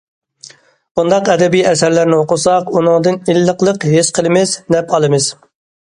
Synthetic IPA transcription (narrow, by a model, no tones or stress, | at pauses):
und̪ɑqɛd̪ɛbijɛsæɾlæɾnɪoqʊsɑqunɨŋd̪ɨnilːəqlˠəqɦesqʰəlˠɨmɪznɛpʰɑlˠɨmɨz̥